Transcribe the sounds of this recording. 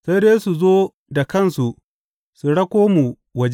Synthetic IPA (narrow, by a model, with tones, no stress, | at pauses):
sa˦deː˦su˨zoː˦ | da˨kɐ˦˨nsu˨ʔ | su˨ɽɐ˦kʷoː˦mu˨ | wɐ˦d͡ʒ